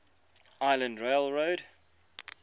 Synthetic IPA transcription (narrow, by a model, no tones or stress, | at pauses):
aɪlə̃ndɹeɪlˠɹoʊd